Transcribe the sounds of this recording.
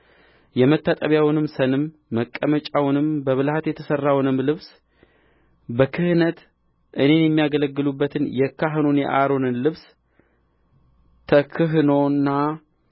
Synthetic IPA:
jɛmət̪ːat̪ʼəβjawnɨmsənɨmː | əkʼːəmət͡ʃʼawnɨmbəβɨlhat̪jɛt̪ʰəsərːawnɨmlɨβs | bəkʰɨhɨnət̪ | ʔɨne̞njɛmːijaɡələɡːɨlubːət̪ʰɨnjɛkʰːaɦɨnonjɛ̰ʔaɾonɨnlɨβs | t̪ʰəkʰɨɦɨno̞nːa

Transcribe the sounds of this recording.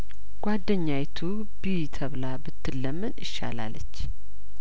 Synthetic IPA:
ɡ̥ʷad̪ːəɲːajt̪ʰu | bit̪ʰəβlabɨt̪ʰːɨlːəmːɨnɨʃːa̰la̰lət͡ʃː

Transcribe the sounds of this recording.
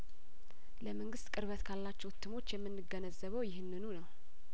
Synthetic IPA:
ləməŋɡɨst̪kʼɨɾβət̪kʰalːat͡ʃːɛwt̪ʰːɨmo̞t͡ʃːjɛmːɨnːɨɡənəzəβəwjɪhɨnːɨnunəw

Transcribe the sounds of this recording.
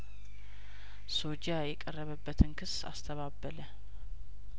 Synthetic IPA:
so̞d͡ʒajɛkʼərːəβəbːət̪ʰɨnkʰɨsa̰st̪ʰəβabːələ

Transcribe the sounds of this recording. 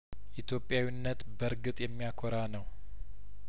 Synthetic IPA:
ʔit̪ʰjo̞pʼːjawinːət̪bəɾɡɨt̪ʼjɛmːijakʰoɾanəw

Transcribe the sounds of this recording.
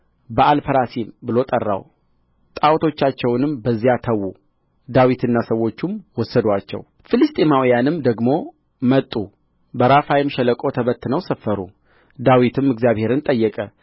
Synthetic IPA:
bəʔalpʰəɾasimbɨlo̞t̪ʼərːa̰w | t̪ʼawt̪ʰo̞t͡ʃːat͡ʃːɛwnɨmbəzːijat̪ʰəwu | d̪awit̪ʰɨnːasəwːo̞t͡ʃːumwɔsːəd̪wat͡ʃːɛ̰w | fɨlɨst̪ʼemawijanɨmd̪əɡmo̞ | mət̪ʼːu | bəɾafajɪmʃɛləkʼo̞t̪ʰəβət̪ːɨnəwsəfːəɾṵ | d̪awit̪ʰɨmɨɡzijaβhe̞ɾɨnt̪ʼəjːɛkʼə

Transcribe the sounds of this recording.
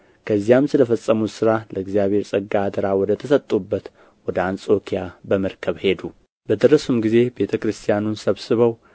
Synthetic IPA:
kʰəzːijamsɨləfəsʼːəmut̪sɨɾaləɨɡzijaβhe̞ɾsʼəɡːad̪əɾawɔd̪ət̪ʰəsət̪ʼːubːət̪ | wɔd̪əant͡sʼo̞kʰijabəməɾkʰəβhe̞d̪u | bəd̪ɨɾəsumɡize̞be̞t̪ʰəkɾɨst̪ʰijanunsəβsɨβəw

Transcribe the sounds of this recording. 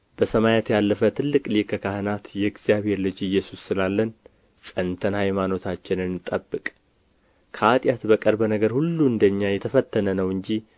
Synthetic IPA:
b̥əsəmajat̪jalːəfət̪ʰɨlːɨkʼlikʰəkʰahɨnat̪jɛɡzijaβhe̞ɾlɨd͡ʒɨjːɛsusːɨlalːən | sʼənt̪ʰənhajmano̞t̪ʰat͡ʃːɪnɨnt̪ʼəbːɨkʼ | kʰəat̪ʼjat̪bəkʼəɾbənəɡəɾhulːuɨnd̪əɲːajɛt̪ʰəfət̪ːənənəwɨɲd͡ʒi

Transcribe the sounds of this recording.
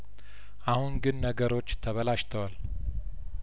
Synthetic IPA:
ʔahunɡɨnːəɡəɾo̞t͡ʃːt̪ʰəβəlaʃt̪ʰəwal

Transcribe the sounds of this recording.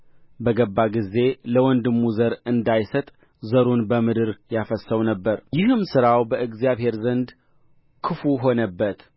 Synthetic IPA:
bəɡəbːaɡize̞ləwɔnd̪ɨmːuzəɾɨnd̪ajsət̪ʼ | zəɾunbəmɨd̪ɨɾjafəsːəwnəbːəɾjɪhɨmsɨɾawbəɨɡzjaβhe̞ɾzənd̪ | kʰɨfuɦo̞nəbːət̪

